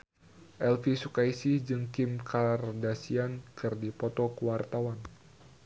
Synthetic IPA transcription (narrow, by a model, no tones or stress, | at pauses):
ʔɛlfisukaisɪhd͡ʒɨŋkɪmkʰardasiankɨrdipɔt̪ɔkəwart̪awan